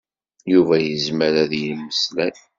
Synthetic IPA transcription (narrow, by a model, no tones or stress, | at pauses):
juvæjəzməɾæðjəmːəslæn